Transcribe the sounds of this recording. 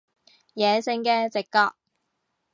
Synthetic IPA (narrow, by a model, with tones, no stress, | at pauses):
jɛː˨sɪ˧ŋkɛː˧t͡sɪ˨kːaː˧k̚